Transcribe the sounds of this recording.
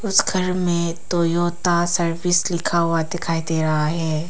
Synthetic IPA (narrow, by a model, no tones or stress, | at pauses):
ʊsɡʱɐɾmẽt̪oːjoːt̪asɐɾʋɪslɪkʰaɦʊad̪ɪkʰaːid̪eɾɐɦaɦɛː